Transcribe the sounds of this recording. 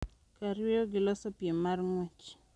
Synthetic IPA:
kaɾweoɡɪlɔsopiemarŋwɛt͡ʃ

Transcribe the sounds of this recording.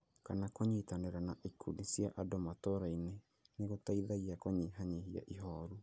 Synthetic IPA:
kanakoɲitaneɾanaʔikʰunisjaʔadomatoɾaine | neɣotaiðaɣiakoɲiɦaɲihia̰ʔiɦɔɾu

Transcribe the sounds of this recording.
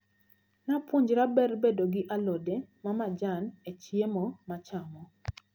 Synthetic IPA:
napwuɲd͡ʒɾabɛrbedoɡɪʔalɔdemamad͡ʒanet͡ʃjemɔmat͡ʃamɔ

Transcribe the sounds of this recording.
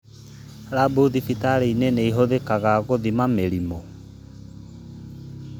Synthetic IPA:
ɾabuðifitaɾeineneiɦoðekaɣaːɣoðimameɾimo

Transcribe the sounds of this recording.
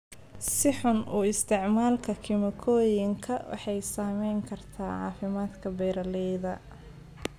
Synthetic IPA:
sɪħʊnuːɪst̪ʰɪʕmaːlkʰɐkʰɪmɐkʰɔːjɪŋkʰɐwʔɑ̰ħɑjsaːmɛjŋkʰɐrt̪ʰaːʕɑ̰ːfɪmaːd̪kʰɐbɛːɾɐlɛjðɐ

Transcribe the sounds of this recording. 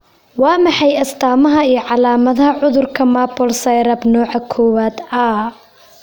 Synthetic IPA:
wɑːmɑħɑjɐst̪ʰaːmɐɦɐijɞʕɑlaːmɐðɐɦɐʕʊðʊrkʰɐmaːbɔlsɐjɾɐbnɔːʕɑkʰɔːwaːd̪ɐ

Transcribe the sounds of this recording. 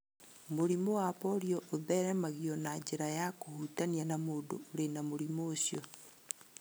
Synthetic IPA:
moɾimowapoɾjoʔoðɛɾɛmaɣionad͡ʒeɾajakohutanjanamodo̰oɾenamoɾimoːsjo

